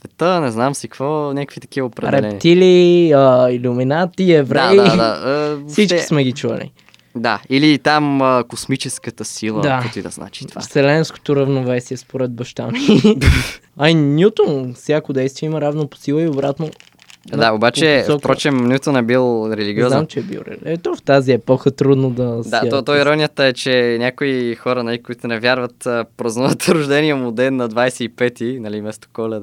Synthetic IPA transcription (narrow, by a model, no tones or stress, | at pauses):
ɛt̪ənɛznamsikvonʲakəkvit̪ɐ̥k̟ivəopɾɛɐd̪ɾɛɛpit̪iliəilʲuminat̪iɛvɾɛdd̪ad̪aəfsit͡ʃki̥smɛɡit͡ʃuɐ̰lḭ | d̪ailit̪aməkosmit͡ʃɛskət̪əsilˠəd̪aɛid̪ɐ̰zna̰t͡ʃi̥va̰sɛlɛnsko̥t̪oɾɐvnovɛsiɛspoɾɛd̪̚bɐʃt̪a̰miaainʲjut̪onfsʲjakod̪ɛjst̪viɛimɐɾavnopo̥silˠəiobɾat̪no | nd̪aobat͡ʃɛsfɔpɾɔt͡ʃɛmnʲut̪onɛbilˠɾɛliɡʲiɔzamt͡ʃɛɛbḭlˠɾɛ̰lɛt̪ɔft̪aziɛpɔxət̪ɾud̪nod̪ɐsd̪at̪ɔt̪ɔiɾɔnʲijət̪əɛt͡ʃɛnʲjakoixɔɾɐnɐlikʊit̪ʊnɛvʲjaɾvɐt̪əpɾɐznuvɐt̪ʰɾʊʒd̪ɛniɛmod̪ɛnːɐd̪vajsɛipɛt̪inɐlimɛst̪o̥kɔlʲɛ